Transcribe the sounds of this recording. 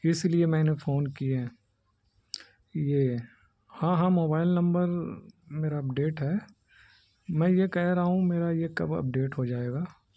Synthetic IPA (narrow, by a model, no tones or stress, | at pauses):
ɪsliemɛ̃ːnefoːnkieɦɛ̃ː | jeː | hãːɦãːmoːbaːɪlnɐ̃mbəɾmeːɾaɐpɖeːʈɦɛː | mɛ̃jekɛɦɾaɦũmeːɾajekɐ̰bɐ̰p̚ɖeːʈɦod͡ʒaːeːɡaː